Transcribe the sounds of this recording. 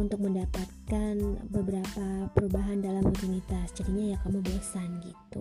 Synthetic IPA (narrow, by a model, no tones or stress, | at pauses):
unt̪ʊk̚məndapat̪̚kanbəbəɾapapəɾubaɦandalamukunit̪asd͡ʒaɾiɲajakamubosanɡḭt̪ṵ